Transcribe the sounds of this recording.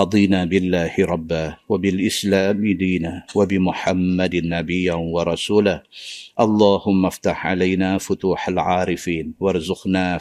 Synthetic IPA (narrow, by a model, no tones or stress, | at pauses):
ɑd̪ˤiːnaːbɪlːaːhɪɾˤɑbːaːwabɪlʔɪslaːmɪd̪iːnawabɪmʊħamːad̪nːabɪjːawɑɾˤɑsuːlahʔɑlˤːɑːhʊmːaft̪aħʕa̰lajnaːfʊt̪uːħalʕaːɾɪfiːnwɑɾˤzʊqnaː